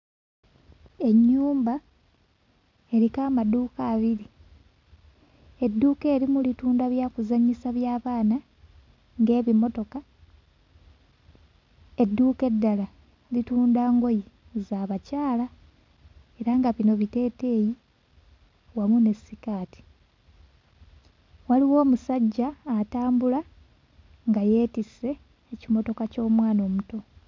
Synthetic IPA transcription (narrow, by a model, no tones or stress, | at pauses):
e̞ɲːuːmba | e̞ɾikaːmaduːkaːβiɾi | e̞dːuːke̞ːɾimulituːndaβjaːkuzaɲisaβjaːβaːna | ŋɡe̞ːβimo̞to̞ka | e̞dːuːke̞dːala | lituːndaːŋɡo̞ji | zaːβacaːla | e̞ɾaŋɡaβino̞βite̞ːte̞ːji | wamune̞sikaːti̥ | waliwo̞ːmusaɟːaːtaːmbula | ŋɡaje̞ːtise̞ː | cimo̞to̞kaco̞ːmwaːno̞ːmuto̞